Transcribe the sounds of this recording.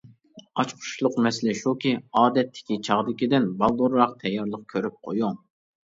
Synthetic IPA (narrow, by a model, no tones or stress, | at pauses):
ɑt͡ʃqʰʊ̥ʃlˠʊqmɛsɪlɪʃukʲiɑːd̪ɛt̪ʰːɪ̥kʲit͡ʃʰɑʁd̪ɪkʲid̪ɪnbɑlˠd̪uɾɾɑqt̪ʰɛjːɑɾlˠəq̚kʲʰøɾyp̚qʰo̰juŋ